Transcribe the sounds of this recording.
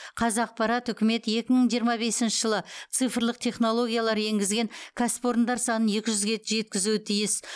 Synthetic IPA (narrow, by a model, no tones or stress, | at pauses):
qʰɑzɑq̚pɑɾɑt̪ʏkʲɪme̞t̪je̞kʲɪməɴʒijəɾmɑbe̞sɪnʃəɪʒəlˠət̪sɨjfəɾlˠəq̚t̪ʰe̞χno̞lˠo̞ɡʲijalˠɑɾje̞ŋɡʲɪzɡʲe̞ŋkʲʰaspo̞ɾnd̪ɑɾsɑnənje̞kʲɪʒʏzɡʲe̞t̪ʒe̞t̪̚kʲɪzuɪt̪ʰijɪs